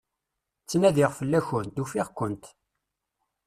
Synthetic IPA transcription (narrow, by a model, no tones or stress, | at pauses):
t͡sːnæðiʁfəlːæçʊnt̪ufiʁkʷːənt̪